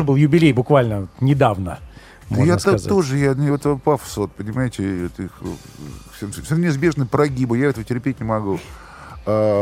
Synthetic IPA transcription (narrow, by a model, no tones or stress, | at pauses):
ɨbɨlˠjʊbʲɪlʲejbʊkvalʲnət̪nʲɪd̪avnə̰ | mjat̪sz̰t̪oʐɨjanɛt̪pafsot̪̚pənʲɪmajɪtʲɪot̪ix | sʲensfsʲnnʲɪzbʲe̞ʐnɨjpɾɐɡʲibəjaɛt̪əvətʲɪrpʲet̚ʲnʲɪmɐɡu | a